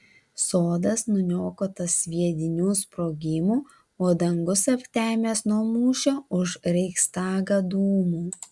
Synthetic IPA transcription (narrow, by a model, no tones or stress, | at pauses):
soːd̪ɐsnʊnʲoːkoːt̪ɐsʋʲiɛd̪ʲɪnʲuːspɾoːɡʲɪmuː | oːd̪ɐŋɡʊsɐpʲt̪ʲæːmʲeːsnuɔmuːʃʲoːʊʃɾʲɛɪkst̪ɑːɡɐd̪uːmuː